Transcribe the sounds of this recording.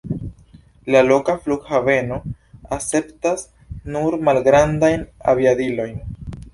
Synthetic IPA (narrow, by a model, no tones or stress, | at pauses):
lalo̞kafluɡhave̞no̞ | ase̞ptas | nuɾmalɡɾandajna̰viadilo̞jn